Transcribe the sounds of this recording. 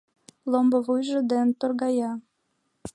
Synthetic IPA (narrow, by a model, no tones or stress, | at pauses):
lombɤvujʒə̆d̪ent̪orɣɑjɑ